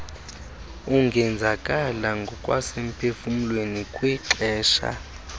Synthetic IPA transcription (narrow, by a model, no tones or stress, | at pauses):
uŋɡʱɛnd͡zʱakʼalaŋɡʱɔkʼwa̰sem̩pʰefum̩lwenikʼwiǁɛːʃa̰